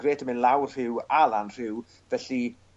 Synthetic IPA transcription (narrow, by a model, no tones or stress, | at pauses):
reːdʰəmɪnlˠawr̥r̥ɪwalˠanr̥ɪw | vɛɬi